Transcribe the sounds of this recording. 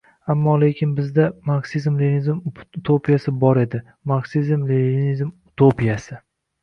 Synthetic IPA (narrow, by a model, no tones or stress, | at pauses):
amːɒle̞kʲʰɪnbɪzd̪amaksizmlenizmut̪ʰopʰijasɪbɒɾe̞d̪ɪ | maksizmlnizmut̪ʰopijasɪ